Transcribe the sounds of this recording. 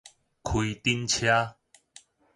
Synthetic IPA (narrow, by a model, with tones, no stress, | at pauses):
kʰwi˨t̪i˦nt͡ɕʰja˦